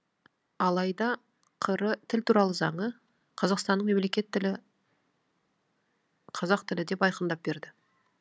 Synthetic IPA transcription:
ɑlˠɑjd̪ɑ | qʰəɾət̪ʰɪlt̪ʰuɾɑlˠəzɑɴə | qʰɑzɑqst̪ɑnːəɴme̞mle̞kʲe̞t̪ːɪlɪ | qʰɑzɑq̚t̪ʰɪlɪd̪e̞pɑjqənd̪ɑp̚be̞ɾd̪ɪ

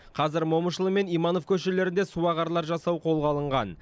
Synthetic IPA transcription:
qʰɑzɪɾmoməʃəlˠəme̞nijmɑno̞fkʲʰɵʃele̞ɾɪnd̪esuɑʁɑɾlˠɑɾʒɑsɑwqʰo̞lˠʁɑlˠəɴʁɑn

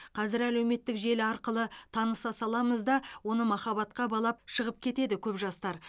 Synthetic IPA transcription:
qʰɑzɪɾælewme̞t̪ːɪkʒe̞lɪɑɾqəlˠət̪ʰɑnəsɑsɑlˠɑməzd̪ɑwo̞nəmɑχɑβɑt̪qɑbɑlˠɑp̚ʃəʁəp̚kʲʰe̞t̪e̞d̪ɪkʲʰɵpʒɑst̪ɑɾ

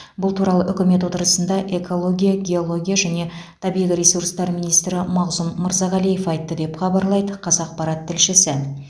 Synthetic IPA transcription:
bʊlˠt̪ʰuɾɑlˠəʔʏkʲɪme̞t̪wo̞t̪əɾəsənd̪ɑʔe̞kʰo̞lˠo̞ɡʲijaɡʲeolˠo̞ɡʲijaʒæne̞t̪ʰɑbijlʲiɾʲesuɾst̪ɑɾmijnijst̪ɾɪmɑʁzumməɾzɑʁɑlijefɑjt̪ːəd̪e̞pχɑbɑɾlˠɑjd̪əqʰɑzɑq̚pɑɾɑt̪ʰːɪlʃɪsɪ

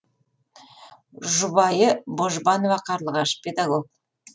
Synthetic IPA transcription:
ʒʊbɑjəboʒbɑnovɑqʰɑɾlˠʁɑʃpʲed̪aɡok̚

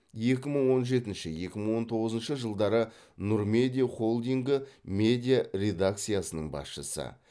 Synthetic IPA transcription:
je̞kʲɪməɴwo̞nʒe̞t̪ɪnʃɪje̞kʲɪməɴwo̞nt̪ʰo̞ʁəzənʃəʒəlˠd̪ɑɾə | nuɾme̞d̪ʲijχo̞lˠd̪ijŋɡɪmʲe̞d̪ʲijarʲe̞d̪ak̚t̪sijasənəɴbɑ̰sʃəsə̰

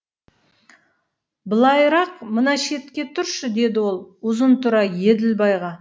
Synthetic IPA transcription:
bəlˠɑjɾɑqmənɑʃe̞t̪kʲe̞t̪ʰʊɾʃəd̪e̞d̪ɪwo̞lˠʊzənt̪ʰʊɾɑje̞d̪ɪlbɑjʁɑ

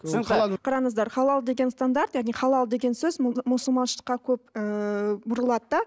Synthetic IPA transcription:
qʰɑɾɑnəzd̪ɑɾχɑlˠɑlˠd̪e̞ɡʲe̞nst̪and̪aɾt̪jaɑʁnijχɑlˠɑlˠd̪e̞ɡʲe̞nsɵzmʊsəlˠmɑnʃˠə̥qːɑkʲʰɵpəbʊɾəlˠɑd̪əd̪ɑ

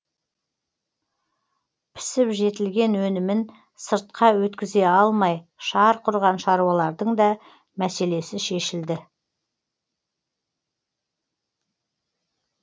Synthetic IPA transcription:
pʰɪ̥sɪpʒe̞t̪ɪlɡʲe̞nwɵnɪmɪn | səɾt̪̚qɑwɵt̪kʲɪze̞ɑlˠmɑjʃɑɾqʰʊɾʁɑnʃɑɾuɑlˠɑɾd̪əɴd̪ɑ | mæse̞le̞sɪʃe̞ʃɪld̪ɪ

